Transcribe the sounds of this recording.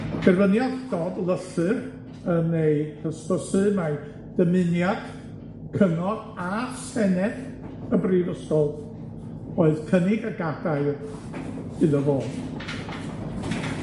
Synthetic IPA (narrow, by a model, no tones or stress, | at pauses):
b̥ɛrvənjaðd̥ɔdlˠəɬɨr | ənejkʰəspəsɨma | d̥əmɨnjad̥ | kʰəŋɔd | asɛnɛd | əbriːvəskɔlˠ | oɨðkʰənɪɡəɡadaɨ | ɨðəvoːd